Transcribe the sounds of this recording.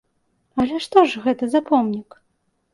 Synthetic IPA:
ɐlʲɛʂt̪ɔʐɣɛt̪ɐzapɔmnʲik

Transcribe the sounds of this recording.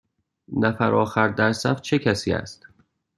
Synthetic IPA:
næfæɾɒːxæɾd̪æɾsæft͡ʃʰecʰæsiːæ̰st̪

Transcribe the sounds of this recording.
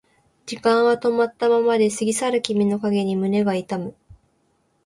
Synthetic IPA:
d͡ʑikãɰ̃βat̪o̞mat̪ːamamad̪e̞sɨɡʲisaɾɯ̟kʲimʲino̞kaɡe̞ɲ̟imɯ̟ne̞ɡait̪amɯ̟

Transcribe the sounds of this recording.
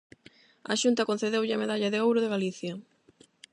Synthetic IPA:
ɐ̰ʃunt̪ɐkon̟θeðewʎɪameðaʎɐðeowɾʊðeɣaliθjɐ

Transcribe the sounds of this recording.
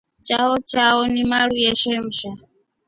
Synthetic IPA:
t͡ʃʼaɔt͡ʃʰʼaɔnimaɺujɛʃɛm̩ʃa

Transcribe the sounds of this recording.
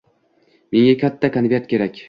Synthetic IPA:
me̞ŋʲakʲʰat̪ʰːakʰanveɾt̪̚kʲe̞ɾakʲ

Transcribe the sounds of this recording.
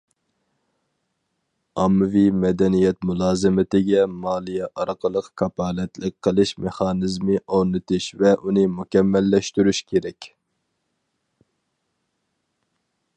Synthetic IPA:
ɑmːɨvimɛd̪ɛnijɛt̪mulˠɑːzɨmɪt̪ɪɡʲɛmɑːlˠijɛʔɑɾqʰəlˠəqkʰɑpʰɑːlɛt̪lɪk̚ʲqʰːəlˠɨʃmeχɑːnɨzmɨʔoɾnɨt̪ʰɨʃvɛʔunɨmukʲɛmːɛlːɛʃt̪yɾyʃkʲʰeɾɛkʲ

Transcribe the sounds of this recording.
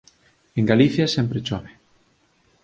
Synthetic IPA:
eŋɡaliθjasɛmpɾet͡ʃɔβe

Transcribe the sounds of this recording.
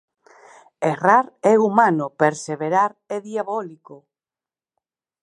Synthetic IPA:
eraɾɛumanopeɾseβeɾaɾɛðiaβɔliko

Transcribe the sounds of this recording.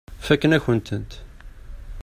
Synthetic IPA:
fækːənæçənt̪ənt̪

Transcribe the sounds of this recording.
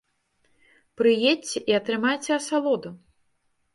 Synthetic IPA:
pɾɨjet͡sʲɛʔiɐt̪ɾɨmajt͡sʲɛɐsalˠɔd̪u

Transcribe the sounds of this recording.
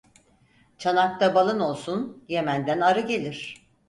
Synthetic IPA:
t͡ʃʰanak̚t̪ʰabalˠɯno̞lˠsunje̞mænd̪ænaɾɯɡe̞lʲiɾ̝̥

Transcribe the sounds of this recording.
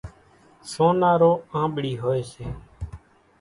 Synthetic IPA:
soːnaːɾoːãːɓɪɽiːɦoːeːseː

